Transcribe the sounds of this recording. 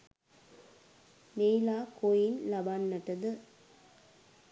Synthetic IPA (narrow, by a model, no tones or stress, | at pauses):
meːlaːkoːjɪnlɐbaːnːɐʈːɐd̪ɯ